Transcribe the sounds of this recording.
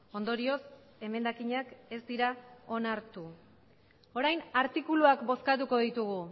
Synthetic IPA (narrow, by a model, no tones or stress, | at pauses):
o̞nd̪o̞ɾio̞s | e̞me̞nd̪akiɲake̞zd̪iɾao̞naɾt̪u | o̞ɾajnaɾt̪ikuluakbo̞skat̪uko̞ðit̪uɣ̞u